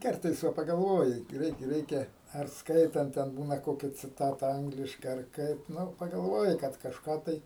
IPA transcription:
ˈkɐrtɐɪs ˈʋɐ pɐɡɐlˠˈʋoːjɪ ˈɡrʲɛɪt ˈrʲɛɪkʲɛ ɐr ˈskɐɪtɐnt ˈtʲɛn ˈbuːnɐ ˈkoːkʲɛ t͡sʲɪˈtɑːtɐ ˈɐŋɡlʲɪʃkɐɪ ɐr ˈkɐɪp ˈnʊ pɐɡɐlˠˈʋoːjɪ ˈkɐt kɐʃˈkɑː tɐɪ

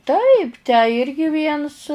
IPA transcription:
ˈtɐɪp tʲæː ˈɪrʲɡʲɪ ˈʋʲiɛns

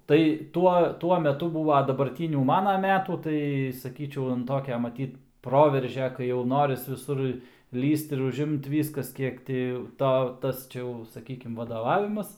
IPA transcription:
tɐɪ ˈtuɔ ˈtuɔ mʲɛˈtʊ ˈbuːʋɐ dɐbɐrʲˈtʲiːnʲuː ˈmɑːnɐ ˈmʲæːtuː ˈtɐɪ sɐˈkʲiːt͡ʃʲɛʊ ˈtoːkʲɛ mɐˈtʲiːt ˈproːʋʲɛrʲʒʲɛ kɐɪ jɛʊ ˈnoːrʲɪs ʋʲɪˈsʊr ˈlʲiːst ɪr ʊʒʲˈɪmt ˈʋʲiːskɐs ˈkʲiɛk tʲɪ ˈtoː ˈtɐs t͡ʃʲɛ ˈjɛʊ sɐˈkʲiːkʲɪm ʋɐdoːˈʋɑːʋʲɪmɐs

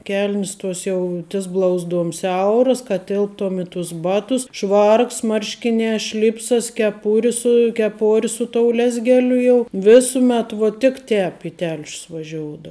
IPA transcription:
ˈkʲɛlʲnʲɪs ˈtuɔs jɛʊ tʲɪs ˈblˠɐʊzˌduɔm ˈsʲɛʊrɐs kɐt ˈtʲɪlˠptoːm ɪ tʊs ˈbɑːtʊs ˈʃʋɐrks ˈmɐrʲʃʲkʲɪnʲɛː ˈʃʲlʲɪpsɐs kʲɛˈpʊrʲɪ sʊ kʲɛˈpoːrʲɪ sʊ toːʊ ˈlʲæːzʲɡʲɛlʲʊ jɛʊ ˈʋʲɪsʊmʲɛt ˈʋoː tʲɪk ˈtʲɛːp ɪ ˈtʲɛlʲʃʲʊs ʋɐˈʒʲoːʊdoːʊ

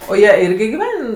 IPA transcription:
oː ˈjiɛ ˈɪrʲɡʲɪ ɡʲɪˈʋʲɛn

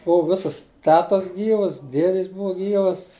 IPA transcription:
ˈbʊʋʊ ˈʋʲɪsɐs ˈtʲæːtɐs ˈɡʲiːʋɐs ˈdʲiɛdʲɪs ˈbʊʋɐ ˈɡʲiːʋɐs

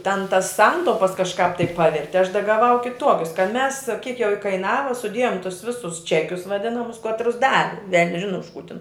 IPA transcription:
tʲɛn tɐs ˈsɐntɐʊpɐs kɐʃˈkɑːp tɐɪ ˈpɑːʋʲɛrʲtʲɪ ɐʃ dɐ ɡɐˈʋɐʊ kʲɪˈtuɔkʲʊs kɐt mʲɛs kʲiɛk jɛʊ ɪkɐɪˈnɑːʋɐ sʊˈdʲeːjoːm tʊs ˈʋʲɪsʊs ˈt͡ʃʲæːkʲʊs ʋɐˈdʲɪnɐmʊs ˈkɑːtrʊs ˈdɑːʋʲɪ ʋʲɛlʲnʲsʲ ˈʒʲɪnʊ ʊʃ kuː tʲɪn

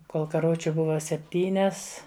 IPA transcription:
ˈkoːlˠ kɐrˈʋʊt͡ʃʲʊ ˈbʊʋɐ sʲɛpʲˈtʲiːnʲɛs

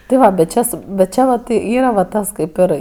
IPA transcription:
tʲɪ ˈʋɐ bʲɛt ˈt͡ʃʲɛ sʊ bʲɛt ˈt͡ʃʲɛ ʋɐt ˈiːrɐ ʋɐ ˈtɐs ˈkɐɪp ɪr

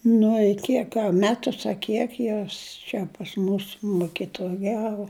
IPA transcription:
nʊ ɪ ˈkʲiɛk ɐ ˈmʲæːtʊs ɐ ˈkʲiɛk ˈjoːs t͡ʃʲɛ pɐs ˈmuːs mʊkʲɪtʊˈjæːʋʊ

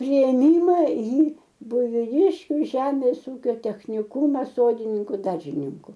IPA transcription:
pʲrʲɪeːˈmʲɪmɐ iː bʊɪʋʲɪˈdʲɪʃʲkʲʊ ˈʒʲæːmʲeːs ˈuːkʲoː tʲɛxʲnʲɪˈkuːmɐs ˈsoːdʲɪnʲɪŋkʊ ˈdɐrʲʒʲɪnʲɪŋkʊ

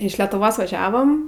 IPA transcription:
ɪʃ lʲɛtʊˈʋoːs ʋɐˈʒʲæːʋɐm

